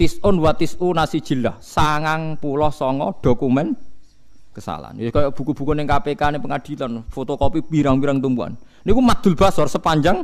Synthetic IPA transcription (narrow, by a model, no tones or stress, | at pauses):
t̪isʊnwat̪isunasid̥ʒ̥i̤lahsaŋaŋpulɔhsɔŋɔɖ̥o̤kumɛn | kəsa̰la̰njoskajɔb̥ṳkub̥ṳkɔneŋkapekanepəŋad̪̥i̤lanfot̪okɔpipiɾaŋpiɾaŋkət̪umbua̰n | nikumad̪̥ṳlb̥a̤sɔrsəpaɲd͡ʒaŋ